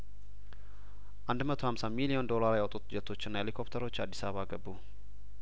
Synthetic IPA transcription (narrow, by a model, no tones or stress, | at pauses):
ʔand̪mət̪ʰo̞hamsamilijo̞nd̪o̞laɾjawt̪ʼut̪d͡ʒɛt̪ʰːo̞t͡ʃːɪnːaelikʰo̞pt̪ʰəɾo̞t͡ʃːad̪ːisaβəβaɡəbːu